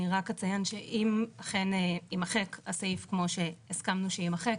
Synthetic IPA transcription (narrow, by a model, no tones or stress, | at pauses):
iʁakhat͡sajanʃeʔimaχeneimaχekasaifkmo̞ʃe̞iskamnuʃeimaχek